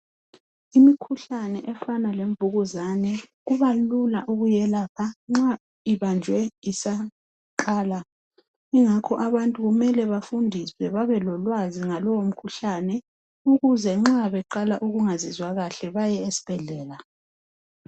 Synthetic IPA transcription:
imikʰuɬanɛʔɛfanaleɱvuɣuzanɛɣuβalulaʔuɣujɛlaːpʰaŋ͡ǁa | iβand͡ʒʱwɛisa | ǃaːla | iŋakʰɔʔaβantʼuɣumɛlɛβafundʱiswɛβaβɛlɔlwaziŋalɔwom̩kʰuɬanɛ | uɣuzɛŋ͡ǁaβɛǃalaʔuɣuŋazizwaɣaɬɛβajɛesi̥b̥ʱɛɮɛːla

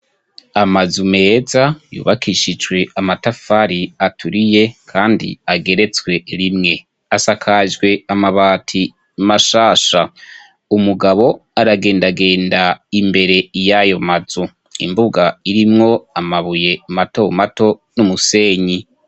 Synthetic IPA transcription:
amazume̞ːzajṵːβakiʃid͡ʒɡwe̞amatafaɾiatʰuɾije̞kʰaːndḭaɡe̞ɾe̞t͡swe̞ɾimŋe̞ | asakʰaʒɡwe̞amaβaːtʰi | maʃaːʃa | umuɡaβo̞aɾaɡe̞ːndaɡe̞ːndaimbe̞ɾe̞jajo̞maz̥u | ḭmbuɡaiɾimŋo̞amaβuje̞matomato̞numuse̞ɲi

